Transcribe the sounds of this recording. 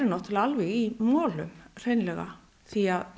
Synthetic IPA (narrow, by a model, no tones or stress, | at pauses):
ɾɪnɔht̪ʰɪlalvɛɣimɔːlʏmr̥ejnlɛɣa̰ | θiað